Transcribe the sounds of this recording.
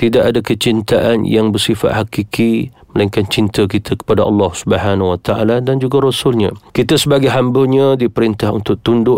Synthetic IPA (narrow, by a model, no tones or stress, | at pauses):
t̪idaʔadakət͡ʃint̪aʔanjaŋbərsifa̰t̪hakikʰi | məlaiŋkant͡ʃint̪ək̬it̪ʰəkə̥padaʔɑ̰lːɑhsubəhanwat̪aʔa̰ladand͡ʒuɡaɾosʊlɲãkit̪asəbaɡajɦambəɲãdipəɾint̪ahṵnt̪ʊk̚t̪undʊʔ